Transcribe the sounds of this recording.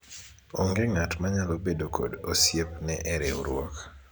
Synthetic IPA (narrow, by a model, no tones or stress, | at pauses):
oŋɡeŋatmaɲalobedokʰo̰dosjepnɛʔɛɾeuɾwɔk